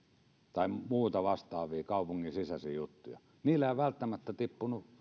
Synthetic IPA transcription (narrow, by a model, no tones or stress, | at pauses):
t̪ɑˑemuːt̪ɑʋɑst̪ˑɑːʋˑiːkɑˑupuŋːinsisæsijut̪ːujɑ̰ | niːlːˑæeˑiʋælt̪ːæmæt̪ːæt̪ipːunuʔ